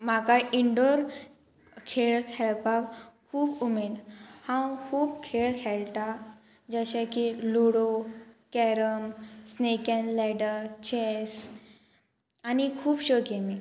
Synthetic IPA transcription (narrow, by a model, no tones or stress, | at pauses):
m̤akaʔiɳɖoɾ | kʰeɭkʰɛɭpakkʰːuːpumed̪hãwkʰuːpkʰeɭkʰɛɭt̪a | d͡ʑəɕakiluɽokɛɾəmsnekɛ̃nlɛɖəɾt͡ɕes | anikʰuːpɕokemi